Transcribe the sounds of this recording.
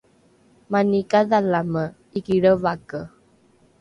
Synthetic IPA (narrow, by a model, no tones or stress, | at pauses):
manikaðalamə | ikiɽəvakə